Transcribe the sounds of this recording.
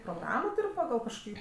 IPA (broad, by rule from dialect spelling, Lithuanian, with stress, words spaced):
proːˈɡrɑːmoː ˈtʊrʲ pɐˈɡɐlˠ kɐʃkoːˈkʲiː